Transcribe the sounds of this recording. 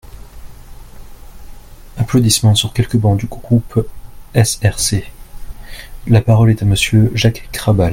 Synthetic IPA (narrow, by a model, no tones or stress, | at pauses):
aplod̪ismɑ̃syʁkʲɛlkəbɑ̃d̪yɡɡʁupɛsɛʁse | lapaʁɔlɛt̪aməsjøʒakːχabal